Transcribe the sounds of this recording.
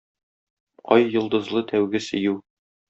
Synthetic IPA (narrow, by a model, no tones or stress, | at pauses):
ɒjːŏlˠd̪ɤ̆zlˠɤt̪ʰæwɡɘsɘ̆jʉw